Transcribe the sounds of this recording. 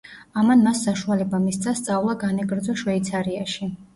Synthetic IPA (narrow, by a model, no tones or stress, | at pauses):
amanmasːaʃualɛbamist̪sʰast̪sʼavlˠaɡanɛɡɾd̪zɔʃwɛit̪sʰaɾiaʃi